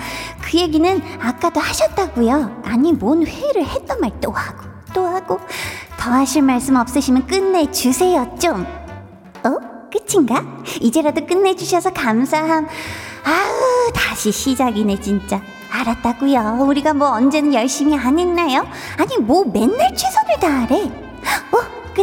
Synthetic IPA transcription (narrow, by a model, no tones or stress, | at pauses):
kɯje̞ɡinɯnak͈adohaɕʰʌt̚t͈aɡujoaɲimonɸweɾɯɭhe̞t͈ʌnmaɭt͈ohaɡ̥o | t͈ohaɡotʌɦaɕʰiɭmaɭs͈ɯmʌp̚s͈ɯɕʰimjʌnk͈ɯnːe̞d͡ʑusʰe̞jʌt͡ɕ͈om | ʌk͈ɯt͡ɕʰiŋɡaid͡ʑe̞ɾadok͈ɯnːe̞d͡ʑuɕʰʌsʰʌkamsʰaɦamaɯtaɕʰiɕʰid͡ʑaɡinet͡ɕint͡ɕ͈aː | ɾat͈aɡujouɾiɡamwʌʌnd͡ʑe̞nɯnjʌɭɕ͈imiaɲinːajo | aɲimome̞nːɯɭt͡ɕʰwesʰonɯɭtaɾe̞ | ʌ | k͈ɯ